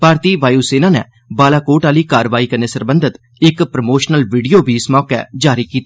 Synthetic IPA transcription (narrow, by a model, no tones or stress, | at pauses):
paːɾt̪iːʋaːjuːseːnãːnɛ̰ː | baːlaːkoːʈaːliːkaːɾʋaːiːkəɾneːsəɾbə̃nd̪ʱət̪ | ɪkpɾəmoːʃnəlʋiːɖijoːbʱiːɪsmɔːkɛ̰ːd͡ʒaːɾiːkiːt̪a